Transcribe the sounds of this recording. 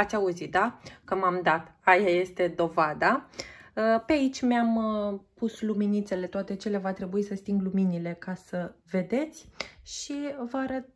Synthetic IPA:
at̪sʲauzit̪̚d̪akəmamd̪at̪ajaje̞st̪e̞d̪o̞vad̪a | əpeait͡ʃʲmampusluminit̪se̞le̞t̪oat̪e̞t͡ʃe̞levat̪ɾe̞buisəst̪iŋɡluminile̞kasəve̞d̪e̞t̪sʲʃivəaɾət̪̚

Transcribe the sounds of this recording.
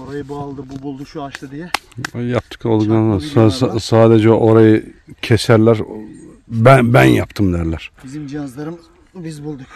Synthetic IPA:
oɾajɯbualˠd̪ɯbubulˠd̪uʃuaʃt̪ɯd̪ijɛ | jɑp̚t̪ʰɯ̥kolˠd̪uknansssaːd̪ɛd͡ʒɛʔoɾajɯcʰɛsæɾlʲæɾ | bænbænjɑpt̪ʰɯmd̪æɾlʲæɾ̥bizimd͡ʒɑnɯzlˠaɾɯm | bizbulˠd̪uk

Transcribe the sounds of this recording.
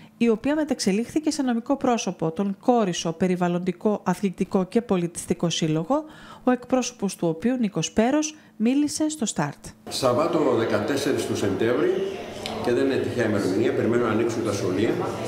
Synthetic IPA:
io̞piɐme̞t̪ɐkse̞lixθice̞seno̞miko̞pɾo̞so̞po̞t̪o̞ŋko̞ɾiso̞pe̞ɾivɐlo̞nd̪iko̞ʔɐθlit̪iko̞ce̞po̞lit̪i̥st̪iko̞silo̞ɣo̞oe̞kpɾo̞so̞̥po̞st̪uo̞piuniko̞spe̞ɾo̞z | milise̞st̪o̞st̪ɐɾt̪sɐvɐt̪o̞ðe̞kɐt̪e̞se̞ɾist̪use̞nt̪e̞vɾice̞ðe̞ninet̪içeɐime̞ɾo̞miniɐpe̞ɾimenonɐniksunt̪ɐsxo̞liɐ

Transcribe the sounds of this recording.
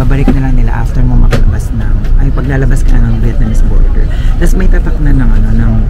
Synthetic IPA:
aːbɐlɪk̚nɐlɐŋnɪla̰ʔaft̪ɛɹmomɐkɐlɐ̰basnɐŋʔɐjpɐɡ̚laːlɐbaskɐla̰nɐŋlɪt̪nɐnɛspo̰ɹt̪ɛ̰ɹt̪asɛmɐjt̪aːt̪ɐk̚nɐnːɐŋʔɐno̞nɐŋ

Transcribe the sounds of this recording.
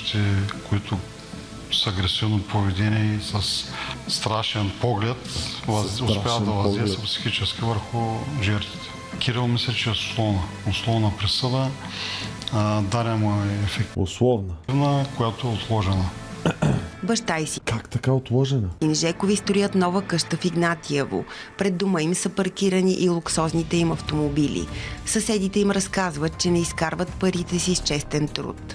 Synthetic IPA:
t̪ɛkoit̪ʊ | səːɡɾɛsivnopʰovɛd̪ɛniiisɐsːt̪ɾaʃɛnpɔɡlɛt̪zʊspɛd̪ɐvɐziɛsɐpsi̥xit͡ʃɛsk̟ʲivəɾxʊʒɛɾt̪vi̥t̪ɛ̥ | kʲiɾɛlˠmislʲɛt͡ʃɛsʊ̥slˠɔvnə | oslˠɔvnəpɾisəd̪ə | d̪aɾʲɛmoɛɛfɛk̪ʊ̰slˠɔvnəvnəkojat̪oɛot̪lˠɔʒɛnə | bɐʃt̪ajsikakt̪ɐkaot̪lˠɔʒɛnəinʒɛkovist̪ɾojət̪nɔvəkɤʃt̪əfiɡnat̪iəvo̰ | pɾɛd̪ːuməimsɐpɐɾkiɾəniʔilˠʊksɔznit̪ɛimɐft̪omobilʲḭsɐsɛd̪it̪ɛimɾɐskazvət̪̚t͡ʃɛnɛiskaɾvət̪̚pəɾit̪ɛsist͡ʃɛst̪ɛnt̪ɾṵt̪

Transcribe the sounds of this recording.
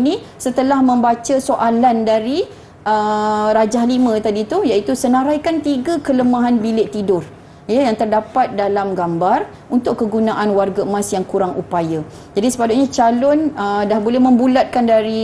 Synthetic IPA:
nĩ | sət̪əlahmə̃mbat͡ʃəsoʔalandaɾi | ʔəɾad͡ʒahlimə̃t̪adit̪ujait̪usənãɾajkant̪iɡakələmãɦanbilɪʔt̪idʊr | jəjaŋt̪ərdapat̪̚dalamɡambar | unt̪ʊʔkːəɡunaʔanwarɡamãsjaŋkuɾaŋʔupaja | d͡ʒadisə̥padʊʔ̚ɲãt͡ʃalʊnədahbolɛhmə̃mbulat̪̚kandaɾi

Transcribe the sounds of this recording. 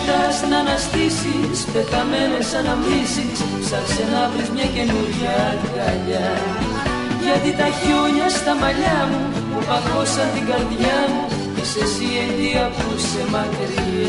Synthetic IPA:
t̪ɐsnɐnɐst̪isispet̪ɐmenesɐnɐmisis | sɐksenɐvɾizmɲɐce̞nuɾʝa | kɐʎɐ | ʝɐt̪it̪ɐçoɲɐst̪ɐmɐʎɐmu | ɐkosɐnt̪iɡɐɾðʝaɐmu | cesesienðiɐkusemɐt̪eɾi

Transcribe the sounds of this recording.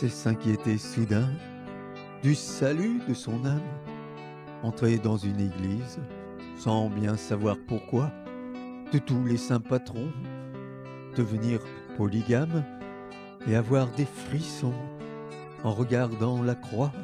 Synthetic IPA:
sɛsɛ̃kʲjet̪esud̪ɛ̃ | d̪ysalyd̪əsɔ̃nam | ɑ̃t̪χed̪ɑ̃zyneɡliz | sɑ̃bjɛ̃savwaʁpuʁkwa | d̪̥ət̪ulesɛ̃pat̪χɔ̃ | d̪̥əvəniʁ | pɔliɡam | eavwaʁd̪efχisɔ̃ | ɑ̃ʁəɡaʁd̪ɑ̃lakχwa

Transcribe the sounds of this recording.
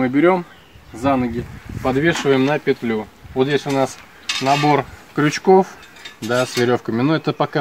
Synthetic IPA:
mɨbʲɪɾʲo̞m | zanəɡʲɪpɐd̪vʲeʂɨvəjɪmnəpʲɪt̪lʲuvot̪jʲesʲʊnas | nɐbo̞rkɾʲʊt͡ɕko̞f | d̪asvʲɪɾʲo̞fkəmʲɪnuɛt̪əpɐka

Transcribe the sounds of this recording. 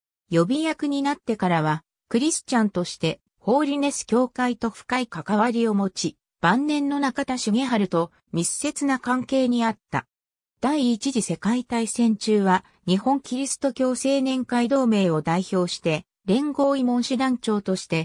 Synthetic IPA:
jo̞bʲijakɯ̟ɲ̟inat̪ːe̞kaɾaβ̞a | kɯ̟ɾʲisɨ̥t͡ɕãnt̪o̞ɕi̥t̪e̞ | ho̞ːɾʲine̞sɨ̥kʲo̞ːkait̪o̞ɸɯ̟̥kaikakaβaɾʲio̞mo̞t͡ɕi | b̥ãnːẽ̞nːo̞nakat̪aɕiŋeɦaɾɯ̟t̪o̞ | mʲisːe̞t͡sɨnakãŋke̞ːɲ̟iat̪ːa̰ | d̪̥aiːt͡ɕiʑise̞kait̪aisẽ̞ɲ̟t͡ɕɨːβa | ɲ̟ihõ̞ŋkʲiɾʲisɨ̥t̪o̞kʲo̞ːse̞ːnẽ̞ŋkaid̪o̞ːme̞ːo̞d̪aiço̞ːɕi̥t̪e̞ | ɾẽ̞ŋɡo̞ːimõ̞ɰ̃ɕid̪ãɲt͡ɕo̞ːt̪o̞ɕi̥t̪e̞

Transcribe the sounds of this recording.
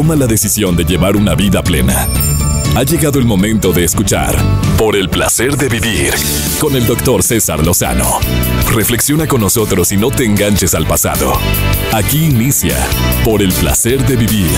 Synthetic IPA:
omalaðe̞sisjo̞nd̪eʝe̞βaɾunaβiðaple̞̰na̰ | aʝe̞ɣaðo̞elmo̞mẽ̞nt̪o̞ðe̞ːskut͡ʃa̰ɾpo̞ɾe̞lpla̰se̞ɾðe̞βiβiɾ | ko̞ne̞ld̪o̞kt̪o̞ɾse̞sa̰ɾlo̞sa̰no̰re̞fle̞ksjo̞nako̞nːo̞so̞t̪ɾo̞sino̞t̪eːŋɡant͡ʃe̞salpasa̰ðo̞̰akiːnisja̰po̞ɾe̞lpla̰se̞ɾðe̞βiβiɾ

